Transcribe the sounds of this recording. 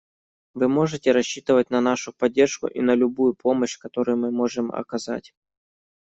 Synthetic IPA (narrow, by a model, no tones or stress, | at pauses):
vɨmo̞ʐɨtʲɪɾɐɕːit̪ɨvət̚ʲnɐn̪aʂʊpɐdʲːe̞rʂkʊ̰ʔinəlʲʊbujʊpʰo̞məɕkɐt̪o̞ɾʊjʊmɨmo̞ʐɨmɐ̰kɐza̰tʲ